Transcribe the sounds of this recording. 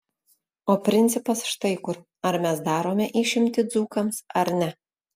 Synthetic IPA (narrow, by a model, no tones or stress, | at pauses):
oːpʲɾʲɪnʲt̪sʲɪpɐsʃt̪ɐɪkʊɾ | ɐɾmʲɛsd̪ɑːɾoːmʲɛʔiːʃʲɪmʲt̪ʲɪd̪zuːkɐmsɐɾnʲɛ